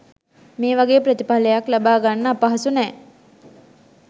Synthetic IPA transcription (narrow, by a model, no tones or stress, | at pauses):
meːʋaɡeːprət̪ipaləjaklabaːɡanːəːpaɦasunɛː